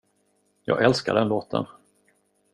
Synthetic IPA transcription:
jɑ̰ːɡɛlskaɖɛnloːt̪ʰə̰n

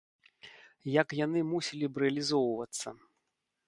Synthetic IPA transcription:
jakjanɨmusʲilʲibɾɛɐlʲizɔwvɐt̪sːɐ̰

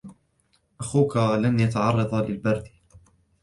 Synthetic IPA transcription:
ʔaxuːkalanjat̪aʕɑrˤːɑd̪ˤɑlɪlbɑɾˤd̪

